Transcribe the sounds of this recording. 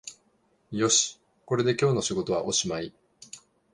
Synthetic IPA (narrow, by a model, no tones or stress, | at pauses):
jo̞ɕi̥ | ko̞ɾe̞d̪e̞kʲo̞ːno̞ɕiɡo̞t̪o̞βaʔo̞ɕimai